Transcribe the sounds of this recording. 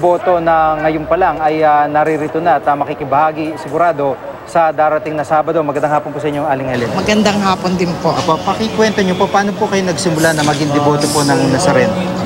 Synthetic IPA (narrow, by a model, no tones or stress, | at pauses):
bo̞ːt̪o̞nɐŋɐjonpɐlaŋɐjanɐɾiɾɪt̪onɐɐt̪ɐmɐkikɪbɐhaːɡisɪɡʊɾaːd̪o̞ | sɐd̪aːɾɐt̪ɪŋnɐsaːbɐd̪o̞mɐɡɐnd̪aɐŋhaːponposɐʔɪɲːoŋaːlɪŋhɛlɛnmɐɡɐnd̪aŋɦaːpond̪ɪnpoʔopopɐkɪkwɛnt̪oɲopopaːno̞pokɐjonɐɡsɪmʊlanɐmɐɡɪŋd̪ɛbo̞ːt̪opo̞nɐŋnɐsɐɾɛn